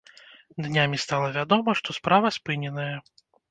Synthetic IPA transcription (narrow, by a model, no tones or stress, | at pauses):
d̪nʲamʲist̪alˠɐvʲad̪ɔmɐʂt̪ɔspɾavɐspɨnʲɛnɐjɐ